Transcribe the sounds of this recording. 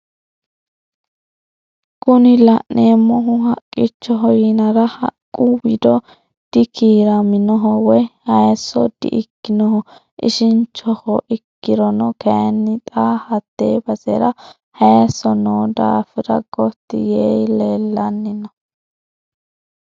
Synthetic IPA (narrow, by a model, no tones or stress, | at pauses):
kʼʊnɪlɐʔneːmːɔɦʊɦɐkʼːɪt͡ʃːɔɦɔjɪnɐɾɐhɐ̰kʼːʊwɪd̪ɔ | d̪̥ɪkʰiːɾɐmɪnɔɦɔwɔjhɐjsːɔd̪̥ɪ̰ʔɪkːɪnɔhɔ | ʔɪ̰ʃɪnt͡ʃːɔhɔʔɪkːɪɾɔnɔkɐjnːɪt̪ʼaːhɐt̪ːeːbɐsɛɾɐ | hɐjsɔnoːd̪a̰ːfɪɾɐ̰ɡɔt̪ːɪ̰jejleːlːɐnːɪnɐ